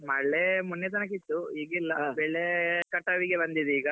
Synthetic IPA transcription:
mɐɭːemunjɐt̪̬ɐnɐk̬ːit̪ːuiːɡilːɐbɛɭːekɐʈːɐʋiɡe̞bɐnd̪id̪iːɡɐ

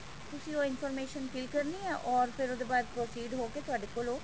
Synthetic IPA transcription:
t̪ʊsĩːoːɪnfʰɔːɾmeːʃənkɪlkəɾniːɛːʔɔːɾpʰɪɾod̪eːbaːd̪̚pɾoːsiːɖɦoːkeːt̪ʊaːɖeːkoːloː

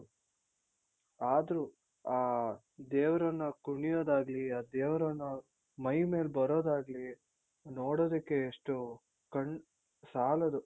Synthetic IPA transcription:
aːd̪ɐɾu | aː | d̪ɛːʋɐɾɐnːɐkuɳijoːd̪aːɡɐliaːd̪eːʋɐɾɐnːu | mɐjme̞ːlbɐɾoːd̪aːɡɐli | noːɽoːd̪ɐkːeːʂʈu | kɐɳ | saːlɐd̪u

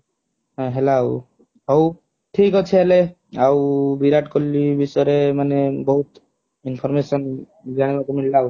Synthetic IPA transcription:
ɦãɦelaw | ɦɔw | ʈʰikɔt͡ʃʰeele | awbiɾaʈkɔlːibisɔɾemanebɔɦut̪ | inpʰɔɾmesɔn | ɡaɽ̃ebakemillaw

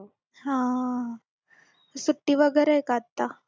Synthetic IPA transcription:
ɦã | suʈːiʋəɡɛɾɐekat̪ːa

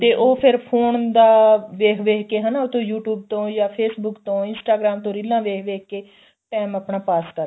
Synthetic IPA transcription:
t̪eːʔoːpʰɪɾpʰoːnd̪aːʋeːkʰʋeːkʰkeːɦənaːot̪õːjuːʈjuːb̚t̪õːjaːpʰeːsbʊkt̪õːɪnsʈaːɡɾaːmt̪õːɾɪlãːʋeːkʰʋeːk̚ʰkːeː | ʈɛːmapɳaːpaːskəɾ

